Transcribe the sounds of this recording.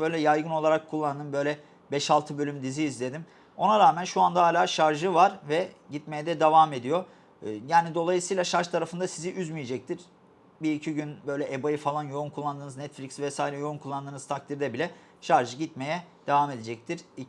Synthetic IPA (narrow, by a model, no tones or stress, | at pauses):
bø̞jlʲɛjajɡɯno̞lˠaɾakʰːulˠːand̪ɯmbø̞jlʲɛ | bɛʃalˠt̪ʰɯbø̞lʲymd̪iziːzlʲe̞d̪im | o̞naɾaːmænʃuand̪aɦaːlʲaːʃaɾʒɯvaɾvɛ | ɟit̪me̞jɛd̪ɛd̪evame̞d̪ijo | jaːnid̪o̞lˠajɯsɯjlˠaʃaɾʃt̪ʰaɾafɯnd̪asiziʔyzmijed͡ʒɛc̚t̪ʰiɾ̥ | biɾicʰiɟynbø̞jlʲɛʔebajifalˠanjo̞unkʰulˠːand̪ɯːnɯznɛt̪flʲicsvɛsaːiɾɛjo̞unkʰulˠːand̪ɯːnɯzt̪ʰakt̪ʰiɾd̪ɛbilʲɛ | ʃaɾʒɯɟit̪me̞jɛd̪̥evame̞d̪ed͡ʒɛc̚t̪ʰiɾ̥i